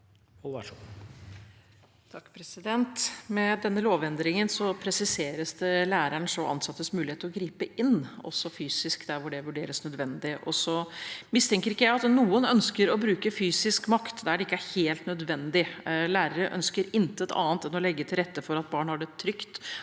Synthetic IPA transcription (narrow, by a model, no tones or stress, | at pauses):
t̪ʰɑkːpʰɾɛsɪd̪ɛnt̪mɛd̪ɛnːəloːʋɛnd̪ɾɪŋənsɔpʰɾɛsɪseːɾəsd̪ɛlæːɾæɳʂɔʔɑ̰nsɑt̪ːəsmʉːɪeːt̪əɾɔɡɾiːpəʔɪnːɔ̰sːɔfyːsɪskd̪æɾʋʊɖɛʋʉɖeːɾəsnœd̪ʋɛnd̪ɪʔɔsɔmɪst̪ʰɛŋkəɾɪkːəjæɪɑt̪nuːənœnskəɾɔbɾʉːkəfyːsɪskmɑkt̪d̪ɛæɖɛɪkːəæɾheːlt̪nœd̪ʋɛnd̪ɪlæːɾəɾəʔœ̰nskəɾɪnt̪ət̪ɑ̰ːnt̪ɛnɔlɛɡːət̪ʰɪlɾɛt̪ːəfɔɾɑt̪̚bɑːɳhɑɖɛt̪ʰɾʏkt̪